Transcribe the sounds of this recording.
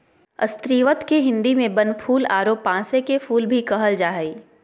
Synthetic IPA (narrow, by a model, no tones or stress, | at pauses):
ə̰st̪ɾiːʋət̪keɦɪ̃nd̪imẽbənpʰuːlaːɾoːpːãːsekefuːlbʱikɐɦəld͡ʒaːɦəiː